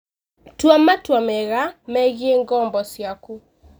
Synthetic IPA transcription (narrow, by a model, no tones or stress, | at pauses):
twamatwameɣamɛɣieŋɡɔːmbɔsjaku